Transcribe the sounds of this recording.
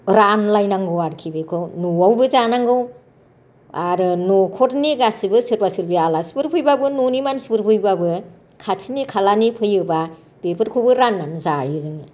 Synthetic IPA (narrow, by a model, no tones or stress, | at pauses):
ɾanlajnaŋɡɯwaɾkʰibekʰonuawbɯzanaŋɡɯw | aɾɯnɔkʰɔtniɡasibɯsɯɾbasɯɾbialasi̥pɯɾpʰɯjbabɯnonimansipɯɾpʰɯjbabɯ | kʰatʰinikʰalanipʰɯjɯba | b̥epʰɯɾkʰowbɯɾanːanzajiɾɯŋ